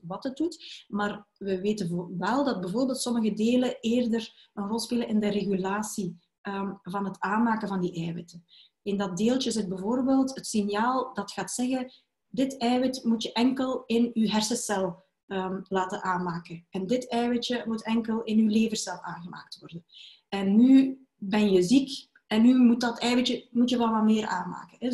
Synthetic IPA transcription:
ʋɑthət̚dutmaːrʋəʋeːtəvʋɛlˠdɑd̚bɛəvoːrbeːlˠtsɔməɣədeːləeːrdərənrɔlˠspeːlənʔɪndəreɣylaːsi | əvɑnɦətaːnmaːkənvɑndiʔɛːwɪtə | ɪndɑt̚deːlˠtəɪzəd̚bɛvoːrbeːlˠtɦətsɪnjaːlˠdɑtxaːtsɛɣən | dɪtɛːwɪtmutjəʔɛŋkəlˠɪnyɦɛrsəsɛlˠ | əlaːtənʔaːnmaːkəɛndɪtɛːwətjəmutʰɛŋkəlˠɪnyleːvərsɛlˠaːnɣəma̰ːk̚tʋɔrdən | ɛnːy | bɛnjəzik | ʔɛnːymut̚dɑtɛːwətəmutjəʋɛlˠʋɑtmɪːrʔa̰ːnma̰ːkənɛ

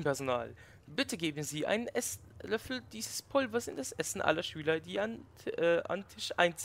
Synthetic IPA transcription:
mpɛɐzona̰ːl | bɪtəɡeːbn̩ziːʔa̰ɪnənʔɛslœfl̩d̥iːzəspʰʊlvɐsɪndasʔɛsn̩ʔa̰lɐʃyːlɐdiːanʔa̰ntʰɪʃʔa̰ɪnt͡s

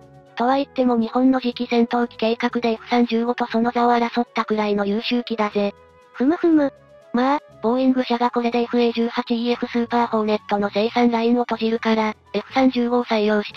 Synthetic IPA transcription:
t̪o̞βait̪ːe̞mo̞ɲ̟ihõ̞nːo̞ʑikʲizẽ̞nt̪o̞ːkʲi̥ke̞ːkakɯ̟d̪e̞eɸɯ̟̥sãɲ̟d͡ʑɨːɡo̞t̪o̞so̞no̞zaoaɾaso̞t̪ːakɯ̟ɾaino̞jɯːɕɨːkʲid̪aze̞ | ɸɯ̟mɯ̟ɸɯ̟mɯ̟ | ma | b̥o̞ːĩŋɡɯ̟ɕaɡako̞ɾe̞d̪eeɸɯ̟e̞ʑɨːhat͡ɕiieɸɯ̟sɨːpaːho̞ne̞t̪ːo̞no̞zeisãnɾaino̞t̪o̞ʑiɾɯ̟kaɾa | eɸɯ̟̥sãɲ̟d͡ʑɨːɡo̞saioɯ̟ɕi̥t̪

